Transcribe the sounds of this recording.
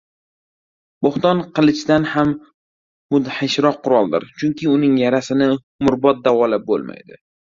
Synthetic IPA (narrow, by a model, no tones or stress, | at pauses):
boχt̪ɒnqʰɨlˠɪt͡ʃd̪anham | mʊd̪ħɪʃɾɒqʰːʊɾɒlˠd̪ɪ̰ɾt͡ʃʰʊŋkʲɪʊnɪŋjaɾasɪnɪ | mʊɾbɒt̪̚d̪avɒlap̚bo̰lma̰jd̪ɪ